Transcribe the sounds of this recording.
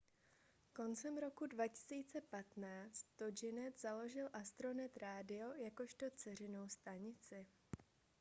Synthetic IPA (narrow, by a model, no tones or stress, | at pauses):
ko̞nt͡sɛmɾo̞kudvacɪ̥siːt͡sɛpat̪naːt͡st̪ːod͡ʒɪnɛt̪zalo̞ʒɪlʔast̪ɾo̞nɛt̪ɾaːdɪo̞jako̞ʃt̪o̞t͡sɛr̝ɪno̞wst̪aɲɪt͡sɪ